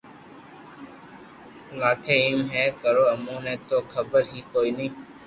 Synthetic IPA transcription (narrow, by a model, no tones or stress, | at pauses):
laːkʰeːiːmɦɛːkəɾoːəmũːnẽːt̪oːkʰəbəɾɦiːkoːiːnĩː